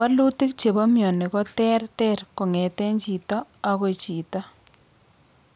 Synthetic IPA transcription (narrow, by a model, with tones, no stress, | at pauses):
a˦lu˦tɪ˦k̚t͡ʃe˨ba˦mjɔ˨nɪ˨kɔ˦tɛ˦rtɛ˦rkɔ˨ŋɛ˨tɛ˦ɲt͡ʃi˨taː˦˨kɔ˦t͡ʃi˨ta˦